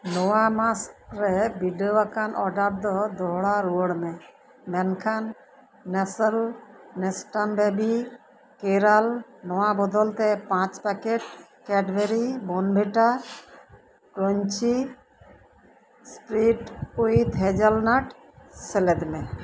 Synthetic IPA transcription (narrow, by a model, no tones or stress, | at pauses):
nɔwamasɾɛbiɖəwakanʔɔɖaɾd̪ɔd̪ɔɦɽaɾuəɽmɛ | mɛnkʰanː | ɛsəlnɛsʈanbɛbi | keɾalnɔwabɔd̪ɔlt̪ɛpãt͡ʃpakeʈkɛɖbeɾibɔnbʱeʈa | kɾɔɲt͡ʃi | sʈɾiʈuit̪ɦɛd͡ʒalnaʈ | sɛlɛd̪mɛ